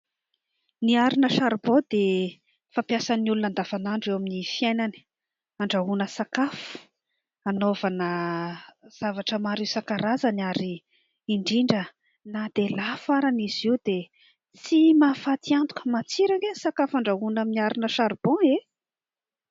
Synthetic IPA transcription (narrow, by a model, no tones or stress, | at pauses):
niaɾinəʃaɾbɔ̃d̪e | fampjasaniulunand̪avanaɳɖ͡ʐewaminifiajnani̥ | aɳɖ͡ʐaɦunəsakafu̥ | anovanə | z̥avaʈ͡ʂəmaɾiwsakaɾazanaɾi | iɳɖ͡ʐiɳɖ͡ʐə | nad̪elafaɾaniziwd̪e | t͡simafat̪ʰiant̪u̥kə̥mat͡siɾaŋɡenisakafaɳɖ͡ʐaɦunaminiaɾinəʃaɾb̥ɔ̃e